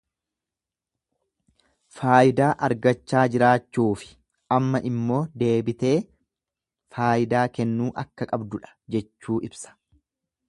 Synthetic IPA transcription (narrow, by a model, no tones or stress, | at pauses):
faːʔɪd̪aːʔɐɾɡɐt͡ʃːaːd͡ʒɪɾaːt͡ʃːuːfɪ̥ | ʔɐmːɐʔɪmːo̞ːd̪e̞ːbɪt̪e̞ː | faːʔɪd̪aːkɛnːuːʔɐkːɐkʼɐbd̪ʊᶑɐ̥d͡ʒɛt͡ʃːuːʔɪbsɐ̥